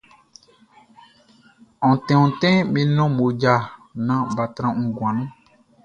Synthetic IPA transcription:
ɔ̃˨tɛ̃˨ũ˨tɛ̃˦mĩ˧˦nɔ̃˦mo˨d͡ʒa˨nã˦ba˨tɾã˧ŋũ˨ɡwã˨nũ˦

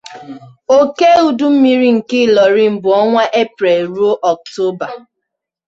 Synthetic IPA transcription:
o˦ke˦u˨du˦m̩˦mi˦ɾi˦ŋ̩˨kɪ˦˨lɔ˨ɾi˦m̩˨bʊ˨ɔ˦ŋʷa˦ʔe˦pɾe˨ɾu˦o˦ʔɔ˨k̚to˦ba˨

